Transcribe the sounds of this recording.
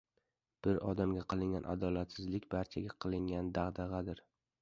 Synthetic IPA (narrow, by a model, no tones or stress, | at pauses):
b̥ɪɾɒ̰d̪amɡʲaqʰɨlˠɪŋɡʲanʔa̰d̪ɒlat̪sɪzlɪkʲbaɾt͡ʃʰaɡʲaqʰɨlˠɪŋɡʲand̪aʁd̪ɑʁɑd̪ɪɾ